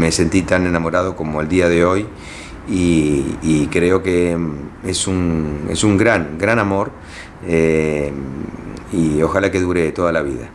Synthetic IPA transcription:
me̞se̞nt̪it̪ane̞namo̞ɾaðo̞ko̞mo̞e̞ld̪iaðe̞o̞j | iː | kɾeo̞ke | esunḛsuŋɡɾaŋɡɾanamo̞ɾ | e | io̞xalake̞ðuɾet̪o̞ðalaβḭða̰

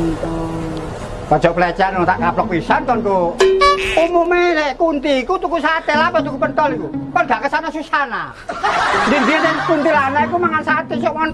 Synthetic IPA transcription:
nt̪ɔ | pɔ̥d͡ʒ̥ɔʔplet͡ʃanot̪aʔkaplɔk̚pisant̪ɔnk̪u | umumenekunt̪iːkut̪ukusat̪elapast̪ukupənt̪ɔlikukɔnɡ̥aʔkəsanasusana̰ | nd̪ind̪inekunt̪ilanaikumaŋansat̪esɔʔmɔn

